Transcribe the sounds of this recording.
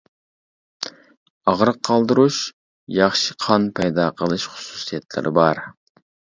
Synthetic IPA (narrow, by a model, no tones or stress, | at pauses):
ɑʁɾəqʰːɑlˠd̪ɨɾuʃ | jɑχʃɨ̥qʰɑnpʰɛjd̪ɑːqʰəlˠɨʃχʊ̥su̥sijɛt̪lɪ̰ɾʔɪ̰bɑɾ